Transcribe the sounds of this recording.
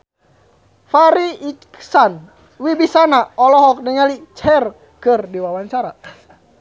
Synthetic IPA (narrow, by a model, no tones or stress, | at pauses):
faɾiːksan | wibisanaɔlɔɦɔk̚dəŋalit͡ʃɛr | kɨrdiwawaɲt͡ʃaɾa